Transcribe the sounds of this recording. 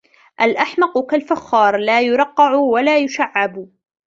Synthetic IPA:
ʔalʔaħmɑqʊkalfaxːɑːɾˤlaːjʊɾˤɑqːɑʕʊwalaːjʊʃaʕːab

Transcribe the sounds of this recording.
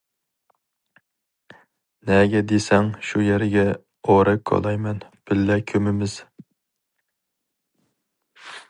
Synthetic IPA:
nɛɡʲɛd̪esɛŋʃujɛɾɪɡʲɛ | oɾɨkʰːo̰lˠɑjmɛnb̥ɪlːɛkʲʰømɪmɪz̥

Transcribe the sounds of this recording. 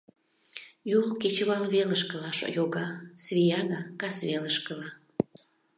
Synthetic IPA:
julket͡ɕəβɑlβeləʃkə̆lɑʃo̰joɣɑsβijɑɣɑkɑsβeləʃkəlɑ

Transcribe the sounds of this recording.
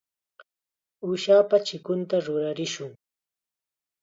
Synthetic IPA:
uʃaːpat͡ʃɪkʊnt̪aɾʊɾaɾɪʃʊŋ

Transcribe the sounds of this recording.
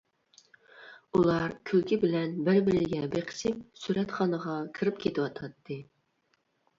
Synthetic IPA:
ulˠɑɾkʲʰølkʲɪbɪlɛnbɪɾbɪɾɪɡʲɛbeqʰə̥sɪp̚syɾɛt̪χɑnəʁɑkʰɨɾɪpkʲʰet̪ʰɪwɑt̪ʰɑt̪ʰːɨ

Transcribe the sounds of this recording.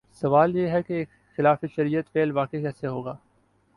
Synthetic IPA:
sɐʋaːljeːɦɛkeːk | xɪlaːfiʃɐɾijət̪feːlʋaːkekɛːseɦoːɡaː

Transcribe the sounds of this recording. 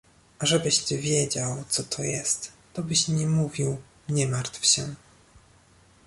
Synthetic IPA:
ʔaʐɛbɘɕt̪ɘvʲjɛd͡ʑawt̪sɔt̪ʰɔjɛst̪ːɔbɘɕɲɛmuvʲiw | ɲɛmaɾt̪fɕɛ

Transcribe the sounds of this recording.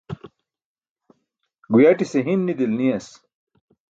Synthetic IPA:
ɡujaʈiseɦinːid̪ilnijɐs

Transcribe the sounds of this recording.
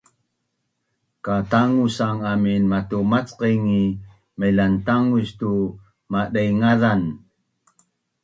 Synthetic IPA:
kataŋusaŋaminmatumat͡sqiŋi | məjlantaŋuɕtu | maɗajŋaðan

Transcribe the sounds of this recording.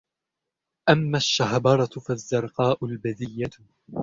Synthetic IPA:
ʔamːaʃːaɦbɑɾˤɑfazːɑɾˤqɑːʔʊlbaðɪjːa

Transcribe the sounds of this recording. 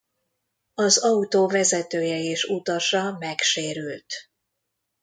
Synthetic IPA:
ɒzɒut̪oːvɛzɛt̪øːjɛeːʃut̪ɒʃɒmɛkʃeːɾylt̪

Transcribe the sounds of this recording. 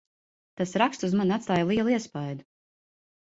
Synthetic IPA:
t̪asɾakst̪uzmanʲat̪st̪aːjalˠiɛlˠuiɛspajd̪u

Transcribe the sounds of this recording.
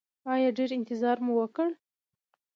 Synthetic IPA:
ɑjɑɖeɾɪnt̪ɪzɑɾmuwəkəɽ

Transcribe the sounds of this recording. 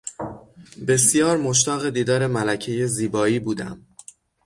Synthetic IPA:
be̞sjɒːɾmo̞ʃ̬t̪ɒːɣe̞d̪iːd̪ɒːɾe̞mælæcʰe̞je̞ziːbɒːiːbuːd̪æ̰m

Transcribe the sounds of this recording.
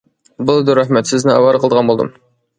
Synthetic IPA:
bulˠd̪uɾɑhmɛt̪sɪznɪɑ̰wɑɾqʰəlˠd̪əʁɑnbolˠd̪ɨ̰m

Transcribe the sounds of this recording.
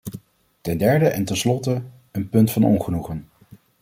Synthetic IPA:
tɛndɛɹdəʔɛntɛnslɔtə | ənpɵntfɑnɔ̰nχənuχən

